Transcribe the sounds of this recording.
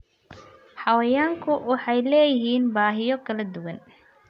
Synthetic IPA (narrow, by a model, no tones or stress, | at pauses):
ħɑwɛjaːŋkʰʊwɑħɑjlɛːjɪɦiːnbaːɦɪjɔkʰɐlɐd̪ʊwɐn